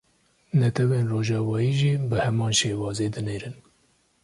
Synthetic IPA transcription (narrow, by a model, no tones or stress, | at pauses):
nɛt̪ʰɛweːnroːʒɑːvɑːjiːʒiːbɨhɛmɑːnʃeːwɑːzeːd̪ɨneːɾɨn